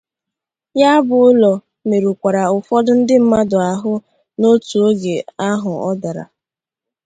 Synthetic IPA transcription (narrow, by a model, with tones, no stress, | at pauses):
ja˦bʊ˨ʊ˦lɔ˨ | me˨ɾu˨kʷa˨ɾa˨ʊ˨fɔ˦dʊ˦n̩˦dɪ˦m̩˦ma˦dʊ˨a˨ɦʊ˦ | no˦tu˨o˦ɡe˨a˦ɦʊ˨ɔ˦da˨ɾa̰˨